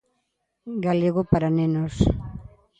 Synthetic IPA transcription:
ɡaleɣopaɾanenos

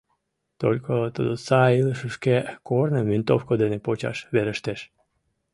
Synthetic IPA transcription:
t̪olʲkʰot̪od̪osɑiləʃəʃkekornəmvint̪o̰fkod̪enepot͡ɕɑ̰ʃβeɾəʃt̪eʃ

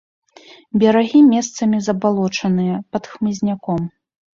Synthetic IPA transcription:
bʲɐɾaɣʲimʲɛst̪sɐmʲizɐbalˠɔt͡ʂɐnɨjɐpɐt̪xmɨzʲnʲakɔm

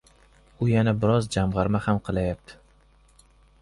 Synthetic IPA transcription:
ʊjanabɪɾɒzd͡ʒamʁɑɾmahamqʰɨlˠajap̚t̪ʰɪ̥

